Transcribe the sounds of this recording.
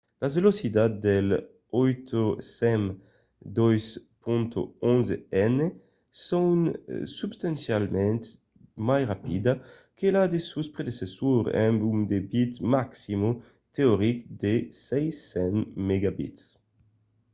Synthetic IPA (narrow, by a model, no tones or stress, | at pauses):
lazvelosid̪ad̪d̪el | ojt̪ʰosɛm | d̪ojspũnt̪o̰õnzeɛne | sõwnsubst̪ãnsjalmɛ̃nt̪ | majʁapid̪a | kelad̪esuspɾed̪esesuɾɛ̰mbumd̪ebit̪maksimo | t̪eoɾikd̪esɛjsɛ̃nmeɡabḭt̪s